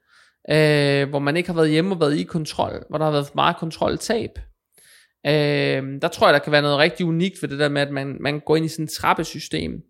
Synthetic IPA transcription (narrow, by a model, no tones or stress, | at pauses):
ʔøʋɒmæne̝ɡ̥hɑ̈ʋæːɐðˠjeməɒ̽ʋæːɐðˠikʰɒ̽nt͡sʰʁɒ̽l̰ʋɒɾ̥ɑ̈hɑʋæːɐð̩ˠmɑ̈ːð̩ˠkʰɒ̽nt͡sʰʁɒ̽l̰t͡sʰɛ̰ːb̥ | ød̥ɑ̈t͡sʰʁo̰ɐ̰jɑd̥ɑ̈kʰæʋæːɐnɔ̽ːð̞̩ˠʁeɡ̥̚d̥iunḭɡ̥d̥ʋe̝d̥e̝d̥eɐmeæd̥mænmænɡ̥ɒ̰ːe̝nisint͡sʰʁɑ̈b̥əsysd̥e̝̰ːm